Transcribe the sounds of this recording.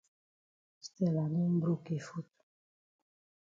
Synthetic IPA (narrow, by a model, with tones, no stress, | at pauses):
st̪e˨la˨ne˦m˦bɾu˦ke˨fu˦t̪